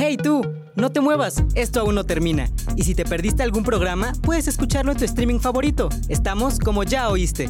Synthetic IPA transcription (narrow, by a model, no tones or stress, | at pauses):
he̞jt̪u | no̞t̪e̞mwe̞βase̞st̪oaunlo̞t̪e̞ɾmĩna̰isit̪e̞pe̞ɾðist̪e̞alɣumpɾo̞ɣ̞ɾamapwe̞ðe̞se̞skut͡ʃaɾloent̪uest̪ɾimĩŋfaβo̞ɾit̪o̞ | e̞st̪amo̞sko̞mo̞ʝao̞ist̪e̞